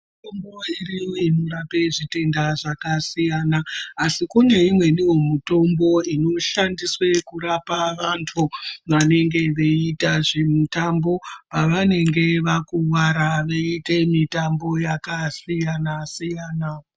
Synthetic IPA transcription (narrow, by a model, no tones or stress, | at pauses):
mitomboiriimuɾape̞ʐite̞ndaʐakasijanaːsikune̞imwe̞niwo̞mito̞mbo̞ino̞ʃandiswe̞kuɾapaʋantʰuʋane̞ŋɡe̞ʋe̞itaʐe̞mutambo̞paʋane̞ŋɡe̞ʋakuʋaɾaʋeite̞mitambo̞jakasijanasijaːna